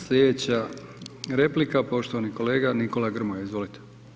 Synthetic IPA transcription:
slʲed̪et͡ɕa | ɾeplikapo̞ʃt̪oʋaniko̞leːɡaniko̞laɡr̩mojaizʋo̞lit̪e̥

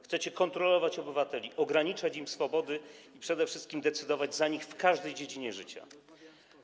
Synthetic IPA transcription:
xt̪sɛt͡ɕɛkɔnt̪ɾɔlɔvat͡ɕɔbɘvat̪ɛlʲiʔɔɡɾaɲit͡ʂat͡ɕimsfɔbɔd̪ɘ | ipʂɛd̪ɛfʂɘst̪̚kʲimd̪ɛt̪sɘd̪ɔvad͡ʑzaɲixfkaʐd̪ɛjd͡ʑed͡ʑiɲɛʐɘt͡ɕa̰

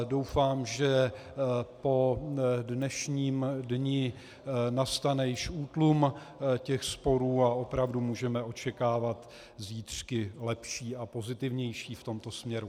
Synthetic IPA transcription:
do̞wfaːmʒɛ | po̞dnɛʃɲiːmdɲɪ | nast̪anɛjɪʃuːt̪lum | cɛxspo̞ɾuːao̞pɾavdumuːʒɛmɛʔo̞t͡ʃɛkaːvat̪ | ziːt̪r̝̥kɪlɛpʃiːapo̞zɪt̪ɪvɲɛjʃiːft̪o̞mt̪o̞smɲɛɾu

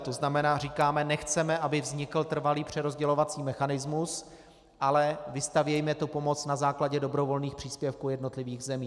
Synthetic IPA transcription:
t̪oznamɛnaːriːkaːmɛnɛxt͡sɛmɛʔabɪvzɲɪkl̩t̪r̩valiːpr̝̥ɛɾo̞zɟɛlo̞vat͡siːmɛxanɪzmus | ʔalɛvɪst̪avjɛjmɛt̪upo̞mo̞t͡snazaːklaɟɛdo̞bɾo̞vo̞lniːxpr̝̥iːspjɛfkuːjɛdno̞t̪lɪviːɣzɛmiː

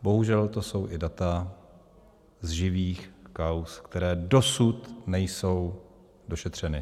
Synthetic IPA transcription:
bo̞ɦuʒɛlt̪o̞so̞wʔɪdat̪a | zʒɪviːxkawskt̪ɛɾɛːdo̞sut̪nɛjso̞w | do̞ʃɛt̪r̝̥ɛnɪ

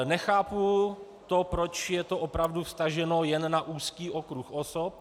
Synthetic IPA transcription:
nɛxaːpu | t̪opɾot͡ʃjɛt̪o̞ʔopɾavdufst̪aʒɛno̞jɛnːaʔuːskiːʔokɾuxʔosop̚

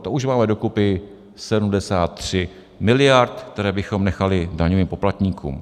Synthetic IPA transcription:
t̪ouʃmaːmɛdo̞kupɪ | sɛdumdɛsaːt̪ːr̝̥ɪ | mɪlɪjaɾt̪kt̪ɛɾɛːbɪxo̞mnɛxalɪdaɲoviːmpo̞plat̪ɲiːkʰṵːm

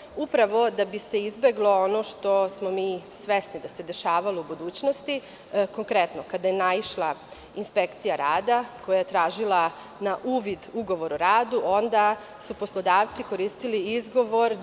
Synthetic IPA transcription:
upɾaʋo̞d̪abise̞izbe̞ɡlˠo̞ono̞ʃt̪o̞smo̞miːsʋesnid̪ase̞d̪e̞ʃaːʋaloubud̪uːt͡ɕnost̪i | ko̞ŋkɾet̪no̞kad̪ajenaiʃlˠa | inspekt̪sijaɾaːd̪ako̞jaje̞t̪ɾaːʒilˠa | naʔuːʋid̪uɡo̞ʋo̞ɾuɾaːd̪uʔo̞nd̪a | suposlˠo̞d̪aːʋt̪siko̞ɾiːst̪iliizɡo̞ʋo̞ɾ

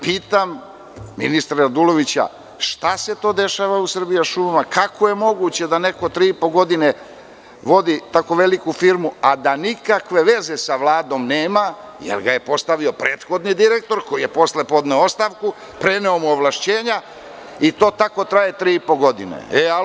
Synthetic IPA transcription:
piːt̪amː | ḭnist̪ɾaɾad̪ulo̞ʋit͡ɕa̰ | ʃt̪ase̞t̪o̞ːd̪e̞ʃaːʋausr̩bijaʃumamakakʰo̞je̞mo̞ɡut͡ɕe̞d̪ane̞ko̞t̪ɾiːipo̞ɡo̞d̪ine | ʋo̞d̪it̪akoʋe̞likufiɾmuad̪anikakʋe̞ʋe̞ze̞saʋlˠaːd̪o̞mneːma | jḛlɡaje̞po̞st̪aʋio̞pɾeːt̪xo̞d̪nid̪iɾe̞k̚t̪o̞ɾko̞jije̞po̞sle̞po̞d̪neoost̪aʋku | pɾe̞ne̞omuoʋlaʃt͡ɕeːɲa | it̪o̞ːt̪ako̞t̪ɾajet̪ɾiːipo̞ɡo̞d̪inḛea

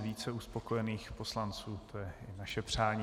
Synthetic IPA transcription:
viːt͡sɛuspo̞kojɛniːxpo̞slant͡suːt̪ʰojɛɪnaʃɛpr̝̥aːɲː

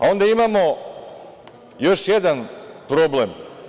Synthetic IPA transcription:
a̰o̞nd̪aimamo̞ | jo̞ʃjed̪anpɾo̞blem

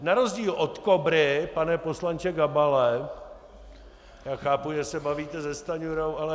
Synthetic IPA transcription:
naɾozɟiːlʔot̪kobɾɪpanɛpo̞slant͡ʃɛɡabalɛ | jaːxaːpujɛsɛbaviːt̪ɛzɛst̪aɲuɾowʔalɛ

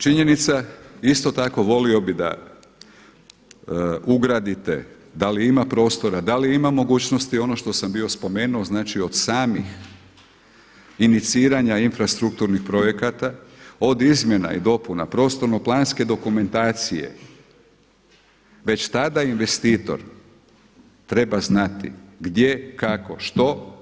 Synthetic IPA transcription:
t͡ʃiɲe̞nit̪saist̪o̞t̪ako̞ʋo̞lio̞bid̪a̰ | uɡɾad̪it̪e̞̰ | d̪aliimapɾo̞ːst̪o̞ɾad̪aliimamo̞ɡuːt͡ɕno̞st̪io̞no̞ʃt̪o̞sambio̞spo̞me̞ːnuoznaːt͡ʃio̞d̪̥saːmix | init̪siːɾaɲainfɾast̪ɾuk̚t̪uɾnixpɾo̞je̞kat̪ao̞d̪izmje̞na̰ḭd̪o̞puna̰pɾo̞ːst̪o̞ɾno̞plˠaːnske̞d̪o̞kume̞nt̪aːt̪sijḛ | ʋe̞t͡ɕt̪ad̪ainʋe̞st̪iːt̪o̞̰ɾ | t̪ɾe̞baznat̪ḭɡd̪je̞kako̞ʃt̪o̞

